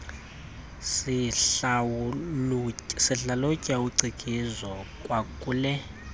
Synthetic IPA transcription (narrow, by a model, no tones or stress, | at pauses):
sia | siɬalocʼawuǀikʼizɔkʼwakʼuːlɛ